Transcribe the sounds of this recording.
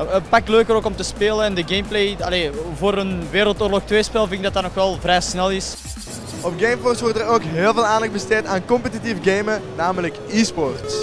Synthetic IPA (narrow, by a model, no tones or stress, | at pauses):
əpak̚løːkəɾoːkɔmtəspeːləɛndəɡejmplejɑleːvoːɾənʋeːɾəlˠtoːrlɔxtʋeːspɛlˠvɪnɪɡ̚dɑtɑtnɔxʋɛlˠvrɛjsnɛlˠɪs | ɔpɡejmfɔrsʋɔrtəɾoːkɦeːlˠveːlˠaːndɑx̚bəsteːtaːnkɔmpətitifɡejmənaːmələkiːspɔrt